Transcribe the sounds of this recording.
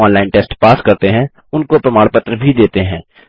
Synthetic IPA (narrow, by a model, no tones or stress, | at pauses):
ɔːnlaːɪnʈeːsʈpaːskɐɾt̪eɦɛ̃ | ʊnkopɾɐmaːɽpət̪ɾəbʱid̪eːt̪eɦɛ̃ː